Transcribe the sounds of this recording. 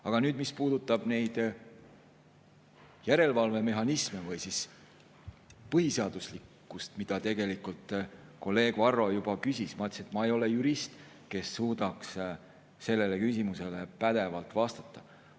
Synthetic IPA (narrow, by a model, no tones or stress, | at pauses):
ɑɡ̥ɑnyːd̪mispuːd̪ut̪ːˑɑb̥ne̞jd̪̥ | jæɾe̞lvɑlve̞me̞ɦɑnisme̞vɯjsis | pɤhiseɑd̪̥uslikːˑust̪mid̪̥ɑt̪e̞ɡ̥e̞likult̪ˑko̞lːe̞ːɡ̥vɑrːo̞jubɑkysismɑt̪ːˑset̪mɑe̞jo̞le̞juɾist̪ | ke̞sːuːd̪̥ɑks | se̞lːe̞le̞kysʲimuse̞le̞pæd̪̥e̞vɑlt̪ˑvɑst̪ɑ̥t̪ːˑɑ